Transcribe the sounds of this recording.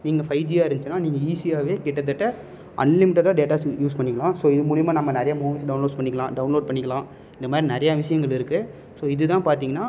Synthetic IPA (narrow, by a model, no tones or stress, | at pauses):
niːŋɡɐfɐɪd͡ʒiaːɪɾnɯt͡ʃːɪnːaːniːŋɡɐiːsiaːʋeːkɪʈːɐt̪̬ːɪʈːɐ | ʔɐ̰nlɪmɪʈːɐɾãːɖeːʈaːjuːspɐɳːɪkːɐɭãːsoːɪðɯmʊɽɪjɐmaːnɐmːɐnɛɾɐjamuːmɪsɖɐʊnloːɖspɐɳːɪkːɐlãːɖɐʊnloːɖ̚pɐɳːɪkːɐlãː | ɪnd̪ɐmaːd̪ɾinɛɾɐjaʋɪʂɐjɐŋɡɐɭɪɾɯkːɯ | soːɪðɯt̪ãːpaːɾt̪iːŋɡɐnːaː